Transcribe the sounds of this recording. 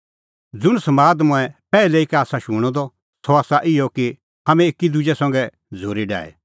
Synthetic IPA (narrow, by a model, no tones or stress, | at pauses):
d͡zʊɽ̃sɐmaːd̪mʊ̃ɛpɛːlɛɪkɛaːsaʃuɽ̃ɔd̪ɔ | sɔaːsaʔɪjɔki | ɦamɛ̃ekːid̪ʊd͡ʒɛsɐ̃ŋɡɛ | d͡zʱoːɾiɖa̰ːɛ̰